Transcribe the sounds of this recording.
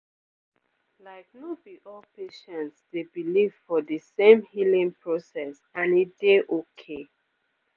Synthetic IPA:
laɪk̚nobiʔɔlpeʃɛ̃ntsdebiliv̥fɔdəsẽmhilĩŋpʰɹɔsɛs | ãnid̥eʔokʰe

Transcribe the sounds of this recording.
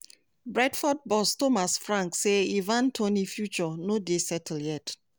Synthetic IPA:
bɹɛdfɔd̚bɔstomasfɹãŋkseivãntʰonifjut͡ʃɔnodesɛtʰl̩jɛt

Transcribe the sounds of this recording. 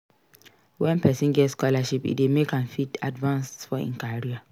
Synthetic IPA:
wɛ̃npʰɛsĩnɡɛtskɔlaʃipḭdemekãnfitadvãnsfɔḭ̃ŋkaɹia

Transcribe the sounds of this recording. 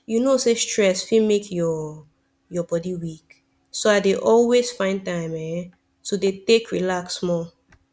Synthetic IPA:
junosestɹɛsfĩmekʰjɔ | jɔbɔdiwik | soaɪdeʔɔlwez̥fãɪ̃ntãɪ̃mɛ | sodetekɹilaksmɔ

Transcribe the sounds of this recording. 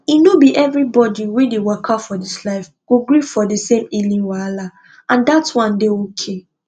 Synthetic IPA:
inobiʔɛvɾibɔdiwedewakʰafɔdislaɪf | ɡ̥oɡɾifɔdesẽmilĩnwala | ãndatwãndeokʰe

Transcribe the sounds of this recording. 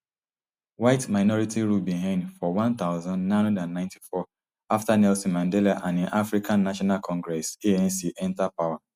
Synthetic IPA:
waɪtmaɪnɔɹitiɾubiɦãnfɔwãnt̪aʊzãndnãndãnːãɪ̃nti̥fɔ | aftanɛlsimãndelaʔãneʔafɾikãnːaʃɔnalkʰɔ̃ŋɡɾɛseɛ̃nsiʔɛ̃ntapawa

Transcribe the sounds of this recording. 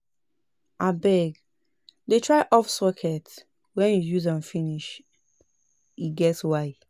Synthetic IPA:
ʔabɛɡ | detʰɹaɪʔɔfsɔkʰɛt | wɛ̃njujuzãnfiniʃ | iɡɛtswaɪ

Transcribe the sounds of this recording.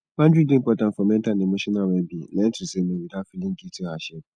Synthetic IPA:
mãnd͡ʑᶣidɪ̃mpɔtãnfɔmɛ̃ntʰanɪ̃mʊ̃ɕɪnãwɛbinɛ̃ntʰɾisenẽbidafilĩŋɡitʰiaɕɛ

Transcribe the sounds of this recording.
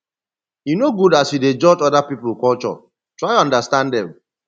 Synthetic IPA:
junoɡudasjided͡ʒɔd͡ʒɔdapipl̩kɔlt͡ʃɔ̰ | tɹaɪɔ̃ndastãndɛ̃m

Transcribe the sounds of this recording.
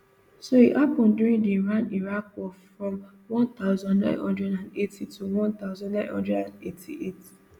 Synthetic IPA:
sohiʔapɔ̃ndjuɹĩŋdiɹãniɹakwɔfɹɔ̃m | wɔ̃nt̪aʊzɔ̃nnã̰ɪ̃nhɔ̃ndɹɛdãndetʰituwɔ̃nt̪aʊzɔ̃nnãɪ̃nhɔ̰̃ndɹɛdãnetʰḭʔet

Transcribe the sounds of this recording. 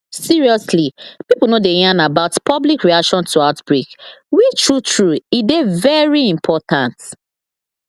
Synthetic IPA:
siɹiɔslipipl̩nodejãnabaʊtpʰɔblikɹiakʃɔ̃nstuaʊtb̥ɹikwitʰɹutʰɹuidevɛɹiĩmpʰɔtãnt

